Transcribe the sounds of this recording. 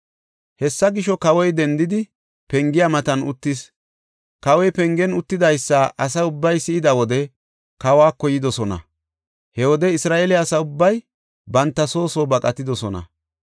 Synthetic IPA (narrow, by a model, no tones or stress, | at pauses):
hɛsːɐɡɪʃɔkɐwɔjd̪ɛnd̪ɪd̪ɪ | pɛŋɡɪjamɐt̪ɐnʊ̰t̪ːɪs | kɐwɔjpɛŋɡɛnʊt̪ːɪd̪ɐjsːɐʔɐs̬ɐʊbːɐjsɪʔɪd̪ɐwɔd̪ɛ | kɐwaːkɔjɪd̪ɔsɔnɐ̰ | hɛwɔd̪ɛɪsɾaːʔelɪɐsɐʊbːɐj | bɐnt̪ːɐso̞ːsoːbɐkʼɐt̪ɪd̪ɔsɔnɐ̰